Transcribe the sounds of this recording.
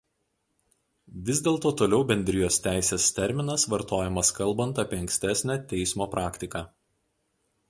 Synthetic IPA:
ʋʲɪzʲd̪ʲeːlˠt̪oːt̪oːlʲɛʊbʲɛnʲd̪ʲɾʲɪjoːst̪ʲæˑɪsʲeːst̪ʲɛɾʲmʲɪnɐsʋɐɾt̪oːjɛmɐskɐlˠˑbɐnt̪ɐpʲiːɐŋksʲt̪ʲæsʲnʲæt̪ʲɛɪsmoːpɾʔɑːkʲt̪ʲɪkɑː

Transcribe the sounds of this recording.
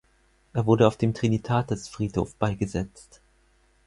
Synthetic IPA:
ʔeːɐvʊɐɾəaʊfd̥eːmtʁ̥initʰaːtəsfʁ̥iːtho̰ːfb̥aɪɡəzɛt͡st

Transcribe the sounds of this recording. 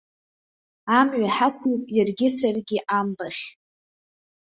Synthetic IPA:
amɥʷaħakʷʰupʼjarɡʲɪsarɡʲɪʔambaχʲ

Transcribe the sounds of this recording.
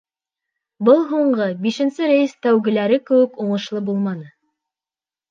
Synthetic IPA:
bɤlˠɦuɴɢɤbiʃɘ̆nsɘɾæjɘst̪æwɡɘ̆læɾɘkɘ̆wɘ̆kuɴɤ̆ʃlˠɤbulˠmɑnɤ

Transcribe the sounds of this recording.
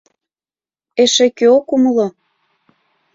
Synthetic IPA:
eʃekøokumɤ̆lo

